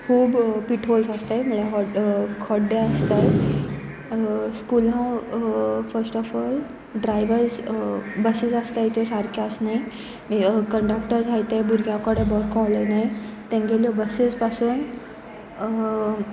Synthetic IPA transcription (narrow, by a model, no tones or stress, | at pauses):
kʰuːbpiʈʰolsast̪ajməɭeɦɔkʰɔɖːeəst̪aj | skulã | fəɾsʈɔfɔːl | ɖɾajʋəɾd͡zbəsid͡zast̪ajit̪osaɾkaəsnai | mikəɳɖakʈəɾd͡zʱajt̪ebuɾɡʱjãkɔɽebɔɾkɔ̃ləjnait̪ẽŋɡeljɔbəsispasuːn